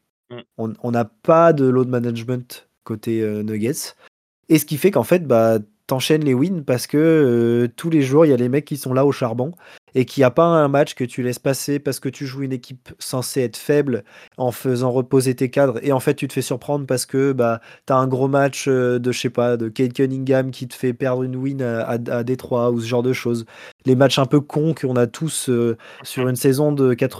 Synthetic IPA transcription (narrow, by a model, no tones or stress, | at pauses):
ɔ̃ɔ̃napad̪əlod̪manaʒmɑ̃t̪ | kot̪eønəɡʲɛt̪s | esə̥kʲifɛkɑ̃fɛt̪̚ba | t̪ɑ̃ʃɛnlewinpaʁsə̥kət̪ʰuleʒuʁiljalemɛkʲːisɔ̃laoʃaʁbɔ̃ | ekʲʰiapaɛ̃mat͡ʃkət̪ʰylɛspasepaʁsə̥kət̪yʒuynekʲʰipsɑ̃seɛt̪χəfɛblɑ̃fəzɑ̃ʁəpozet̪ekad̪ʁeɑ̃fɛt̪̚ːyt̪ə̥fɛsyʁpχɑ̃d̪ʁəpaʁsə̥kəbat̪yaɛ̃ɡʁomat͡ʃød̪əʃɛpad̪əkʲɛd̪̚kʲɛniŋɡʲamkʲit̪ə̥fɛpɛʁd̪ʁynwinaaad̪et̪χwausəʒɑ̃ʁd̪əʃoz | lemat͡ʃɛ̃pøkʰɔ̃kʰəɔ̃nat̪ʰusøː | yʁynsɛzɔ̃d̪əkat̪χ